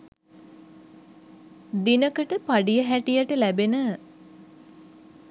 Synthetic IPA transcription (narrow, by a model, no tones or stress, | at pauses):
d̪inəkəʈəpaɖijəɦæʈijəʈəlæbenə